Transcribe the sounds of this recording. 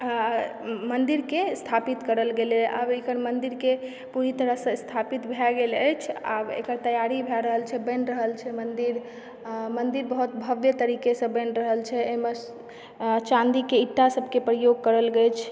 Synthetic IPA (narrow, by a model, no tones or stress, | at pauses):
mənd̪iɾkest̪ʰapit̪kəɾəlɡeleə̰bekəɾmənd̪iɾke | puɾit̪əɾəɦsə̃st̪ʰapit̪bʱɛɡeləjt͡ʃʰa̰bḛkəɾt̪əjaɾibʱɛɾəɦəlt͡ʃʰɛbə̃nɾəɦəlt͡ʃʰɛmənd̪iɾ | mənd̪iɾbəɦut̪bʱəbjət̪əɾikesə̃bə̃nɾəɦəlt͡ʃʰɛeɦme | t͡ʃãnd̪ikeiʈːasəbʱkepɾəjoɡ̚kəɾəlɡet͡ʃʰ